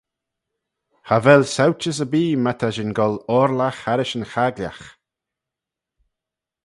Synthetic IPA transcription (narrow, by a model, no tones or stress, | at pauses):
havɛlsawt͡ʃəs̬əbiːmat̪ʰaʒɪnɡɔlɔɾlaxhaɾɪʃənxaɡlʲa̰x